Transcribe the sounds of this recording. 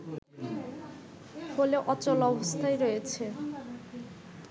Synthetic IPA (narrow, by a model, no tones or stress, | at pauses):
holeʔɔt͡ɕɔlɔbost̪ʰaeɾojet͡ɕʰe